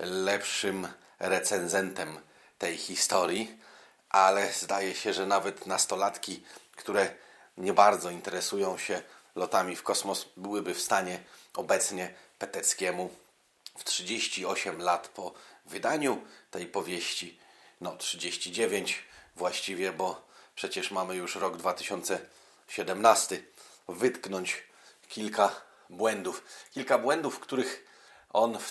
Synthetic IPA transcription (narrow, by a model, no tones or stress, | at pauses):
lɛpʂɘm | ɾɛt̪sɛnzɛnt̪ɛm | t̪ɛjxʲist̪ɔɾʲji | ʔalɛzd̪ajɛɕɛʐɛnavɛt̪nast̪ɔlat̪kʲikt̪uɾɛ | ɲɛbaɾd̪zɔint̪ɛɾɛsujɔ̃w̃ɕɛ | lɔt̪amʲifkɔsmɔsbɘwɘbɘfst̪aɲɛɔbɛt̪sɲɛpɛt̪ɛt̪skʲɛmu | ftʂɘd͡ʑeɕt͡ɕiɔɕɛmlat̪pʰɔvɘd̪aɲut̪ɛjpɔvʲjeɕt͡ɕinɔtʂɘd͡ʑeɕt͡ɕid͡ʑevʲeɲt͡ɕvwaɕt͡ɕivʲjɛbɔpʂɛt͡ɕɛʂmamɘjuʂɾɔɡd̪vat̪ɘ̥ɕɔnt̪sɛ | ɕɛd̪ɛmnast̪ɘvɘt̪knɔɲt͡ɕ | kʲilka | bwɛnd̪ufkʲilkabwɛnd̪ufkt̪uɾɘx | ɔn